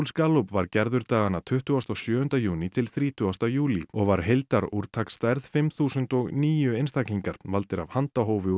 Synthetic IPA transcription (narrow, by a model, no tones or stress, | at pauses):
lskaːlupvaɾcɛɾðʏɾt̪aːɣanat̪ʰʏht̪ʏast̪ɔɣsjœːʏnt̪ajuːnit̪ʰɪlθɾiːt̪ʰʏast̪ajuːliɔɣvaɾ̥ɦejlt̪aɾuɾ̥t̪ʰakst̪ajɾð̥fɪmθuːsʏnt̪ɔɣniːjʏejnst̪ʰakliŋkaɾ̥valt̪ɪɾavhant̪aɦoːwvʏ